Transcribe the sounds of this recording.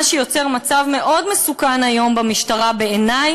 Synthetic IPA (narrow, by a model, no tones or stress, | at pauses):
ʃejo̞t͡seʁmat͡savme̞ʔo̞dmesukanajo̞mbamiʃtaʁabeenaj